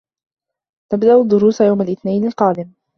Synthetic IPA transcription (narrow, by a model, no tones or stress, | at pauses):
t̪abd̪aʔʊd̪ːʊɾuːsajawmalʔɪθnajnɪlqɑːd̪ɪm